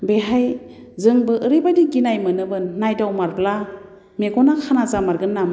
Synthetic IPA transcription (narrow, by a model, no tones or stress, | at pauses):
beɦaj | zɯŋbɯʔːɾɯjbajdikinajmɯnɯbɯnːajdawmaɾpla | meɡɔnakʰanazamaɾɡɯnːam